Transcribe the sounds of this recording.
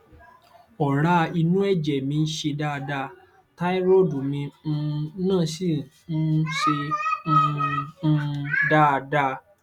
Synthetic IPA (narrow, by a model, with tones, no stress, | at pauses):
ɔ˨ɾa˧i˧nũ˦ɛ˦˨d͡ʒɛ˨mĩ˧n̩˦ʃe˧da˦˨˧da˧ | ta˦i˦ɾo˦˨du˨mĩ˧n̩˧nãː˦˨si˦˨ | n̩˦ʃẽ˧˦˧ | da˦˨˧da˦˨